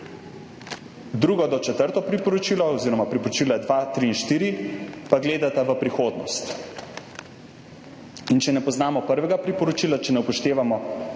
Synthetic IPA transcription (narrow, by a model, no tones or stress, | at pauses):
d̪ɾuːɡɔd̪ɔt͡ʃɛt̪əɾt̪ɔpɾipɔɾɔt͡ʃiːlɔɔziːɾɔmapɾipɔɾɔt͡ʃiːlad̪ʋat̪ɾiːnʃt̪iːɾipaɡleːd̪at̪aʋəpɾixoːd̪nɔ̰st̪ | int͡ʃɛnɛpɔznaːmɔpəɾʋɛɡapɾipɔɾɔt͡ʃiːlat͡ʃɛnɛupɔʃt̪eːʋamɔ